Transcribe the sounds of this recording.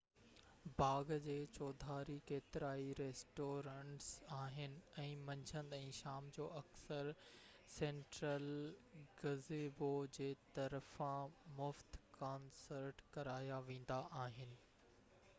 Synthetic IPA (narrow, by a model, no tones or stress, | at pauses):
baːɡd͡ʑeːt͡ɕɔːd̪ʱaːɾikeːt̪ɪɾaːiɾeːsʈoːɾãːɳʈsaːɦɪnɪ̆ɛ̃ːmɐ̃ɲd͡ʑʱə̃nd̪ɛ̃ːʃaːmd͡ʑoːɐksəɾ | sẽːɳʈɾəlɡɐzeːbod͡ʑeːt̪ɐɾəfãmʊft̪kaːnsəɾʈkɐɾaːjaʋẽːn̆d̪aʔaːɦɪnɪ̆